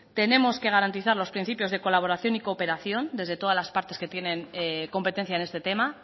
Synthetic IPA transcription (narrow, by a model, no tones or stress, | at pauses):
t̪e̞ne̞mo̞ske̞ɣ̞aɾant̪iθaɾlo̞spɾin̟θipjo̞zðe̞ko̞laβo̞ɾaθjo̞niko̞ːpe̞ɾaθjo̞nd̪e̞zðe̞t̪o̞ðazlaspaɾt̪e̞ske̞t̪je̞ne̞ŋko̞mpe̞t̪e̞n̟θjaene̞st̪e̞t̪e̞ma